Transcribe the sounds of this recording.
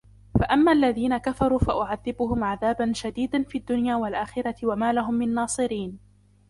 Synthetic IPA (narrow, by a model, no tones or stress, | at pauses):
faʔamːaːʔalːaðiːnakafɑɾˤuːfaʔʊʕaðːɪbʊɦʊmʕaðaːbanʃad̪iːd̪anfiːad̪ːʊnjaːwalʔaːxɪɾˤɑt̪ɪwamaːlaɦʊmːɪnnːɑːsˤɨɾiːn